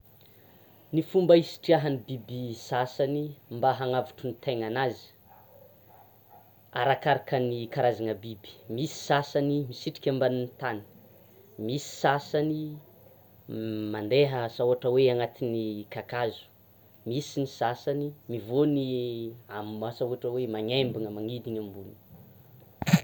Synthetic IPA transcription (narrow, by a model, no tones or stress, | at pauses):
nifumbəisi̥ʈ͡ʂiaɦanibibisasanimbaɦaŋavuʈ͡ʂunit̪eŋanazi̥ | a̰ɾakaɾakənikaɾazanəbibi̥misi̥sasanimisiʈ͡ʂi̥kʲambanint̪ani̥ | misi̥sasani | mand̪eɦəsauaʈ͡ʂəweaŋat̪inikakazu̥ | misinisasanimivoniamasauaʈ͡ʂəwemaɲembaŋəmaŋid̪iɲambuni̥